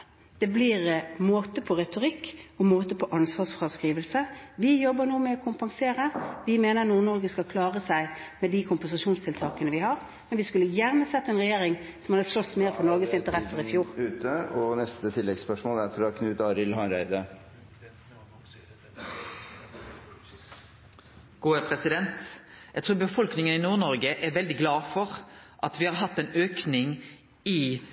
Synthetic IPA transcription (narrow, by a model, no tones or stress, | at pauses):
d̪̥ɛblɪʁmoːt̪əpʰɔʁɛt̪ʊʁɪkːɔmoːt̪əpʰɔʔɑnsʋɑːsfʁɑskʁiːʋəlsəʋɪjɔbːəɾnuːmɛɔkʰʊmpɑŋseːʁəʋɪmeːnəɾnuːnɔɾɡəskɑkʰlɑːʁəsæɪmɛd̪ikʰʊmpənsɑʂuːnst̪ʰɪlt̪ʰɑːkənəʋɪhɑːʁ | mɛnʋɪskʉlːəjæʁnəsɛt̪ːəɛːnʁɛjeːɾɪŋ | sɔmhɑd̪əslɔsːmeːɾfɔʁnɔɾɡəsɪnt̪əʁɛsːəʁɪfjuːɾʉːt̪əɔnɛst̪ət̪ʰɪlːɛɡspœʂmoːlæɾfɔɾɑkʰnʉːt̪ɑːɾɪlhɑnɾæɪd̪ə | ɡ̥oːɛpʰɾɛsɪd̪ɛnt̪ | jæt̪ʰɾuːɾbəfɔlknɪŋənɪnuːʁnɔɾɡəʔɛɾʋɛld̪ɪɡlɑːfɔʁʔɑt̪ʋɪhɑɾɦɑt̪ːɛnøːknɪŋ | ɪ